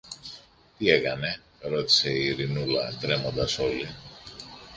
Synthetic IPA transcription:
t̪ie̞kɐne̞ | ɾo̞t̪i̥se̞iiɾinulɐ̰t̪ɾe̞mo̞nd̪ɐso̞li

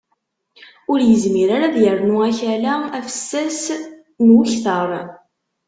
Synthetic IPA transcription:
ʊɾjəzmiɾaɾaðjəɾnuæçælææfə̥sːæs | nwʊçθəɾˤ

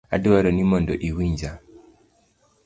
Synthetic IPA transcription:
a̰duwaɾɔnimɔndɔʔiwiɲd͡ʒa

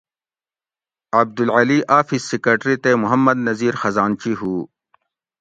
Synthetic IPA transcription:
ɐb̚d̪ulʕɐliʔaːfizsikɐʈɾit̪emʊɦɐmːɐd̪̚nɐziːɾxɐzaːnt͡ɕiɦuː

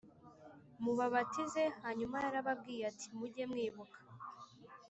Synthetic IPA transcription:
muβaβatize̞haɲumajaɾaβab̚ɡiːjati̥muɟe̞mŋiːβukḁ

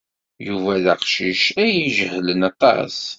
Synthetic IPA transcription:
juvæðæqʃiʃæjiʒəhlənɑt̪ˤɑ̰s

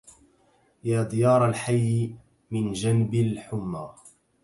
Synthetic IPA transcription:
jaːd̪ˤɪjɑːɾˤalħajː | mɪnd͡ʒanbalħʊmːaː

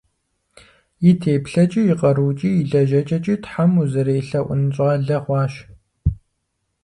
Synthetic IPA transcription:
jɪtʰeːpɬɐt͡ʃʼijɪqʼɐɾuːt͡ʃʼijiɮɐʒɐt͡ʃʼɐt͡ʃʼitħamuzɐɾeːɬɐʔʷʊ̰nɕʼʁɐɮɐχʷɑːʃ

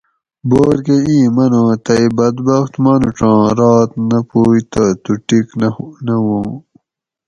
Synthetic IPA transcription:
boːɾkeiːmɐnõːt̪ɐjbɐd̪bɐxt̪mɐnuʈ͡ʂãːɾɑːt̪nɐpuːjt̪ɐt̪uʈiknnɐwõː

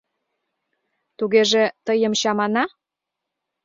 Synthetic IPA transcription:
t̪uɣeʒĕt̪əjəmɕɑmɑnɑ

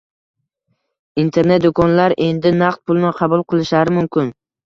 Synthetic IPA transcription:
int̪ʰe̞ɾne̞t̪̚d̪ʊkʰɒnlaɾʔe̞nd̪ɪnaqt̪̚pʰʊlˠnɪqʰɑbʊlˠqʰɨlˠɪʃaɾɪmʊmkʲʰɪn

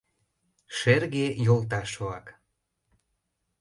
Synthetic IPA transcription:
ʃerɣejolt̪ɑʃoɑk

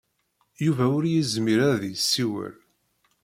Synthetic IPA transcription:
juvæʊɾjizmiɾæɾðisːiwə̰l

